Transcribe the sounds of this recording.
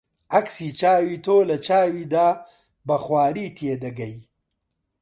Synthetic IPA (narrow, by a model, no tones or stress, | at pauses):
ɐksiːt͡ʃaːwiːt̪ʰoːlɐt͡ʃaːwiːd̪aː | bɐxwaːɾiːt̪ʰjeːd̪ɐɡɐj